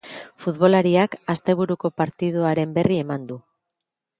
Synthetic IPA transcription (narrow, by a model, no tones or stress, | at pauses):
fut̪βo̞laɾiakast̪e̞βuɾuko̞paɾt̪iðuaɾe̞mbe̞rie̞mand̪u